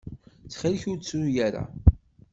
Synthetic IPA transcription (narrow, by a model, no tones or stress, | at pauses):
t͡sːχilçʊɾt͡sːɾujæɾa̰